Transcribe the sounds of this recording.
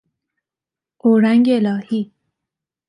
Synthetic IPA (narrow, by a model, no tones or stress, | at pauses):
ʔoːɾæŋɡeelɒːhiː